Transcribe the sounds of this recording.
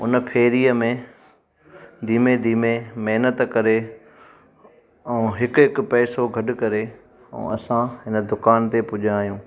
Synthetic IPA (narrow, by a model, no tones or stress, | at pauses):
ʊ̰npʰeːɾiːəmẽ | d̪ʱiːmed̪iːmemeɦnət̪kɐɾe | ɛ̃ũɦɪkɦɪkpɛːsoɡʱɐɖʊ̆kɐɾe | ɛ̰̃ɐsãɦɪnə̆d̪ʊkaːnt̪epʊʄʱãːɦijũː